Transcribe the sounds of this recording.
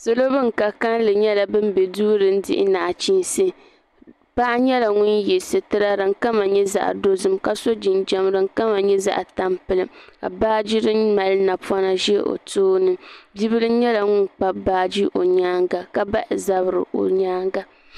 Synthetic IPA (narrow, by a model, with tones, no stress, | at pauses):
so˦lo˦bɨ˦ŋ˨ka˨ka˦nlɨ˨ɲɛ˦la˨bɨ˦m˦bɛ˨duː˦ɾɨ˨˦n̩˦dɪ̰˦ʔɪ̰˦naː˨t͡ʃi˦n˦sɨ˦ | pa˦ʔɲɛ˦la˨ŋʊ˦njɛ˨sɨ˨tɨ˦ɾa˦ɾɨ˨ŋ˦ka˦ma˨ɲɛ˦za̰˨ʔdo˦zɨ˦mka˨so˦d͡ʒi˨nd͡ʒɛ˦mɾɨ˨ŋ˦ka˦ma˨ɲɛ˦za̰˦ʔta˦mpɨ˨lɨ˦mka̰˨baː˦d͡ʒi˦ɾɨ˦nma˨lna˨pa˦na˦ʒɛ˦ʔo̰˨toː˦nɨ˨bi˦βɨ˦lɨ˦ɲɛ˦la˨ŋʊ˦nk͡pa˦baː˦d͡ʒi˦ʔo˨ɲaː˦ŋɡa˨ka˦ba˦ʔɪ˨za˨bɾɨ̰˨ʔo̰˨ɲaː˦ŋɡa˦